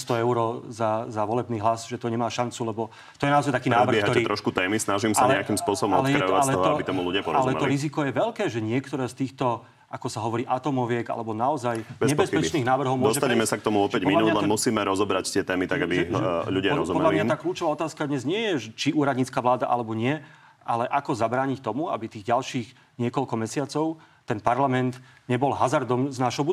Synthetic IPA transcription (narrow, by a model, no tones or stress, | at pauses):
st̪ɔɛʊɾɔzazaʋɔlɛbniːɦlasʒɛt̪ɔɲɛmaːʃant͡sulɛbɔ | t̪ɔjɛnaɔzajt̪akiːaːɛʋr̩bɪɛɦaɔit̪ɾɔʃkut̪ɛːmisnaʒimsalɲɛakimspʊɔsɔbɔmɔlɛjkɾɛajɔʋaslɛɔɦɔabit̪ɔmuluɟɪapɔɾalɛɛmɛ̰ɔliɾizikɔjɛʋɛʎkɛːʒɛɲɪɛkt̪ɔɾɛːst̪iːxt̪ɔ | ʔakɔsaɦɔʋɔɾiːʔat̪ɔmɔʋɪɛɡa̰lɛbɔnaɔzajbɛɲɛbɛspɛt͡ʃniːɣnaːʋr̩ɦɔʊmɔd̪ɔsɛt̪aɲɛmɛsak̚t̪ɔmuvɔpɛɟmɔminuːlɛmusiːmɛɾɔzɔbɾact̪ɪɛt̪ɛːmit̪aɡabiʎuɟɪaɾɔ̰zupɔmɛdlalimɲat̪aːkluːt͡ʃɔʋaːɔt̪aːskad̪ɲɛzɲɪɛjɛʒɛt͡ʃiuːɾad̪ɲiːt͡skaːʋlaːd̪a̰ʔa̰lɛbɔɲɪɛ | ʔalɛʔakɔzabɾaːɲict̪ɔmua̰bit̪iːɣɟalʃiːɣ | ɲɪɛkɔʎkɔmɛsɪat͡sɔʊ | t̪ɛnpaɾlamɛnt̪ | ɲɛbɔlɦazaɾd̪ɔmznaːʃɦɔbu